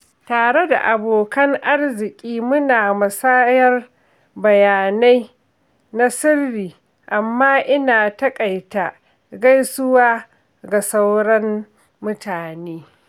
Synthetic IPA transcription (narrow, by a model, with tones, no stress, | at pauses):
taː˨ɽe˦da̰˨ʔa˨boː˨kɐ˦ŋʔa˦rzɪ˨kʲʼiː˦mʊ˦naː˨mɐ˨saː˦jɐ˦r | bɐ˨jaː˨na˦j | na˦sɪ˦rːiː˨ | ʔa˨mːaː˦ʔɪ˦naː˨tɐ˦kʼa˨jta˨ | ɡa˦jsʊ˦waː˦ | ɡa˨sa˦wɽɐ˦mː | ʊ˦taː˨neː˦